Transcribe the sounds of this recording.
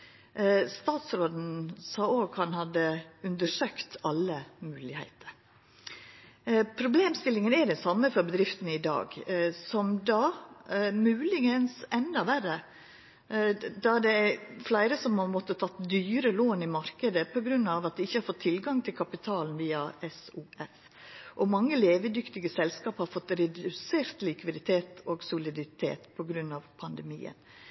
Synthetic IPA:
st̪ɑːt̪sɾoːd̪n̩sɑːoːɡhɑnhɑd̪əʉnd̪əʂøːkt̪ɑlːəmʉːlɪhæ̰ɪt̪ʰəɾ | pʰɾʊbleːmst̪ɪlːɪŋənɛd̪ɛnsɑmːəfɔɾbəd̪ɾɪft̪ənəɪd̪ɑ̰ːɡsɔmd̪ɑ | mʉːlɪɡənsɛnd̪ɑʋærə | d̪ɑɖ̪ɛæflæɪɾəsɔmhɑɾmɔt̪ːət̪ʰɑt̪ːd̪yːɾəloːnɪmɑɾkəd̪əpʰɔɡɾʉnːɑʋɑt̪̚d̪ɛɪçːəhɑɾfɔt̪ʰːɪlɡɑŋt̪ʰɪlkʰɑpɪt̪ʰɑːlnʋiːɑɛsuːɛf | ʔɔmɑŋːəleːʋəd̪ʏkt̪ɪɡəsɛlskɑːphɑɾfɔt̪ːɾɛd̪ʉseːɾt̪lɪkʋɪd̪ɪt̪ʰeːt̪ɔɡsʊlɪd̪ɪt̪ʰḛːt̪pʰɔɡɾʉnːɑʋpʰɑnd̪ɛmḭːə̰n

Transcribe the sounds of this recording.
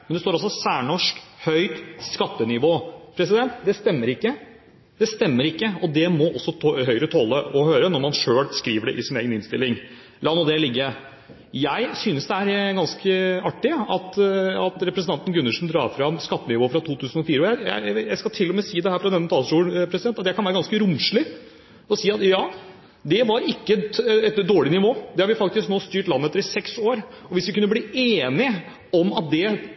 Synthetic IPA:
mɛnɛst̪oːɾɔs̬ːɔsæːɳɔʂkhœʏt̪skɑt̪ːənɪʋoːpʰɾɛsɪd̪ɛnt̪d̪ɛst̪ɛmːəɾɪkːə | d̪̥ɛst̪ɛmːəɾɪkːəɔd̪ɛmɔʔɔsːɔhœʏəɾət̪ʰɔlːəɔhøːɾənɔɾmɑnʂøːlskɾiːʋəɖɛ̰ʔɪsɪneːɡənɪnst̪ɪ̰lːɪŋ | lɑːnɔd̪ɛlɪɡːə | jæɪsyːnəsd̪ɛæɾɡɑnskəɑʈːɪɑt̪ɑt̪ɾɛpɾəsənɑnt̪ən̩ɡʉnːəʂn̩d̪ɾɑ̰ːfɾɑmskɑt̪ːənɪʋoːfɾɑt̪ʰuːt̪ʰʉːsn̩ɔfiːɾəɔjæɪjæ̰ɪjæɪskɑt̪ʰɪlːɔmɛsiːd̪ɛhæːɾfɾɑd̪ɛnːət̪ʰɑːlsʈuːlpʰɾɛsɪd̪ɛnt̪ɑt̪jæɪkɑnæːɾəɡɑnskəɾʊmʂlɪ | ɔsiːɑt̪jɑː | d̪ɛʋɑɾɪkːəɛt̪d̪oːɭɪnɪʋoːd̪ɛhɑɾʋɪfɑk̚t̪ɪsknoːst̪yːʈlɑnːəɛt̪əɾɪsɛksoːɾ | ɔʋɪsʋɪkʉnːəbliːeːnɪ | ɔmɑt̪̚d̪ɛ

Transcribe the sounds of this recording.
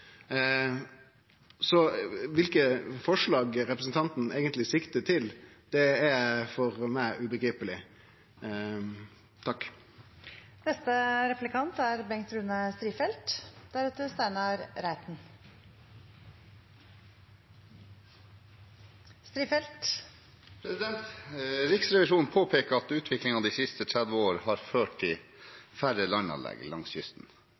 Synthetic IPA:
sɔʋɪlkəfɔʂɭɑːɡɾɛpɾəsn̩t̪ʰɑnt̪n̩eːɡənt̪lɪsɪkt̪ət̪ʰɪl | d̪̥ɛæfɔɾmæɪʔʉbəɡɾiːpəlɪ | t̪ʰɑkː | nɛst̪əɾɛplɪkʰɑnt̪æɾbɛŋt̪ɾʉːnəst̪ɾiːfɛlt̪d̪̥æɾɛt̪əst̪æɪnəɾɾæɪt̪n | st̪ɾiːfɛlt̪ | pʰɾɛsɪd̪ɛnt̪ɾɪksɾɛʋɪʂuːnpʰoːpʰeːkəɾɑt̪ʉːt̪ʰʋɪklɪŋɑd̪iːsɪst̪ət̪ʰɾæd̪ʋəoːɾhɑɾføːʈt̪ʰɪfæɾəlɑnɑ̰lɛ̰ɡlɑŋsçʏst̪n̩

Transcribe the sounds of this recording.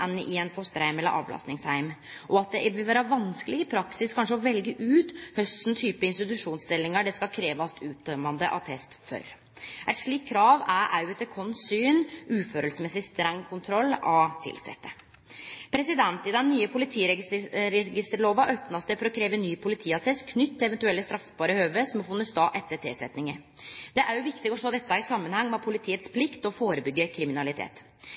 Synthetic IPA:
ɛnɪɛnfɔst̪əɾhæɪmɛlːə̰ɾʔɑ̰ːʋlɑ̰snɪŋshæɪm | ʔɔɑt̪̚d̪ɛʋɪlʋæːɾəʋɑnskəlɪɡɪpʰɾɑksɪskʰɑnʂəɔʋɛlɡəʔʉːt̪hœst̪n̩t̪ʰyːpəɪnst̪ɪt̪ʉʂuːnst̪ɪlːɪŋəɖɛskɑkʰɾeːʋɑst̪ʰʉːt̪̚d̪œmɑnd̪əʔɑ̰t̪ʰɛst̪fœ̰ɾ | ʔæɪt̪ʂɭiːkʰːɾɑːʋæɾʔæʉət̪ʰɛkʰɔnsyːnʉːføːɾəlsmɛsɪst̪ɾɛŋːkʰʊnt̪ʰɾɔlːɑt̪ʰɪ̰lsɛ̰t̪ːə | pʰɾɛsɪd̪ɛnt̪ɪd̪ɛnːyːəpʰʊlɪt̪ʰiːɾɛɾɛɡɪst̪əɾɭoːʋɑʔøpnɑsd̪ɛfɔɾɔkʰɾeːʋənyːpʰʊlɪt̪ʰiːɑt̪ʰɛst̪kʰnʏt̪ːɪɛʋɛnt̪ʉɛlːəst̪ɾɑfbɑːɾəhøːʋəsɔmɔfʊnːəsd̪ɑːʔɛt̪ːət̪ʰḛːsɛt̪nɪŋəɾ | d̪̥ɛʔæɾjʊʋɪkt̪ɪɡɔʂoːd̪ɛt̪ːɑɪsɑmːənhɑŋːmɛpʰʊlɪt̪ʰiːət̪spʰlɪkt̪ɔfoːɾəbʏɡːəkʰɾɪmɪnɑlɪt̪ʰḛːt̪

